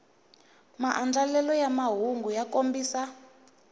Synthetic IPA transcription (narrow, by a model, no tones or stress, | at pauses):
maʔand͡ɮalɛlɔjamaɦuŋɡujakombiːsa